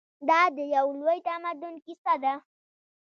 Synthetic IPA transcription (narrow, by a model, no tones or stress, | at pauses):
d̪ɑd̪əjawlojt̪amad̪ʊnkisad̪a